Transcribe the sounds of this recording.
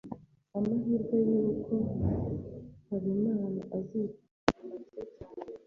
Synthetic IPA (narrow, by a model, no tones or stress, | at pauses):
amaɦiːɾɡwajuːkʰo̞ | haɾimaːna̰ʔazika